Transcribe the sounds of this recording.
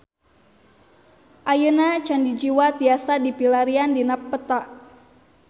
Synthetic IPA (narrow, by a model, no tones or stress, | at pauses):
ʔajənat͡ʃandid͡ʒiwat̪iasadipilaɾiandinapːət̪aʔ